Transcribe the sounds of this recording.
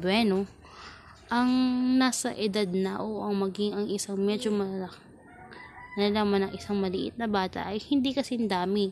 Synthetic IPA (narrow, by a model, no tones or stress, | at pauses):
bwɛno | ʔɐŋnaːsɐʔɪd̪ad̪̚nɐʔoʔɐŋmɐɡɪŋɐŋɪsaŋmɛd͡ʒomɐa | mɐlɐlaːmanɐŋʔɪsaŋmɐlɪʔɪ̰t̪̚nɐbaːt̪ɐ̰ʔɐjhɪnd̪ikɐsɪnd̪aːmɪ